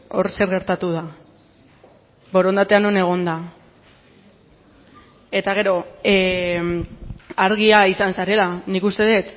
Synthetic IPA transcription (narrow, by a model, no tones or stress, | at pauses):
o̞ɾse̞ɾɣe̞ɾt̪at̪uð̞a | bo̞ɾo̞nd̪at̪e̞ano̞ne̞ɣ̞o̞nd̪a | e̞t̪aɣ̞e̞ɾo̞ | aɾɣ̞iaisansaɾe̞lanikust̪e̞ð̞e̞t̪